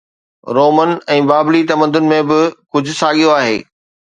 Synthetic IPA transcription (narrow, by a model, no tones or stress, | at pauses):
ɾoːmən̆ɛ̃ːbaːblit̪ɐmə̃nd̪ʊnɪ̆mẽbɪkʊd͡ʑʱʊ̆saːɠijoaːɦḛː